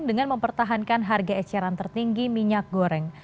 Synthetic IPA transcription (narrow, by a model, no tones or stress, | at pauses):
ŋdəŋanməmpərt̪aɦankanɦarɡaɛt͡ʃaɾant̪ərt̪iŋɡimiɲak̚ɡoɾɛŋ